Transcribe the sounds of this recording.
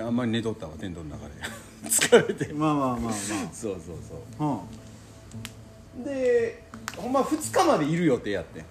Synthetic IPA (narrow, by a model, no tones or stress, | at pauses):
ãmːaɾʲine̞t̪o̞t̪ːaβat̪e̞nt̪o̞nnaka̰d̪ḛ | t͡sɨ̥kʰaɾet̪emamaːmaːmso̞ːso̞̰ːso̞̰ːhã | d̪e̞ | hõ̞mːaɸɯ̟t͡sɨ̥kamad̪e̞iɾɯ̟jo̞t̪ːe̞jat̪ːe